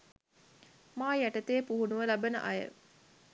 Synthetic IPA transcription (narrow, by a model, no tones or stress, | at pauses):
maːjæʈət̪eːpuɦunuʋəlabənə̰ʔɐjə̰